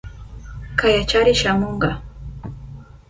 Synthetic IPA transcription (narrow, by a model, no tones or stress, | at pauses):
kajat͡ʃaɾɪʃamoɴɢɑ